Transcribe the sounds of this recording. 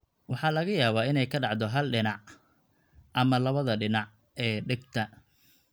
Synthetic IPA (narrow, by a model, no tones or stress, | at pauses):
wɑħɑːlɐɣɐjaːβaːɪnɛjkʰɐɖɑʕd̪ɔɦɐlɖɪnɑʕ | ʔɐmɐlɐβɐðɐɖɪnɑʕ | ʔɛːɖɪɡ̚t̪ʰɐ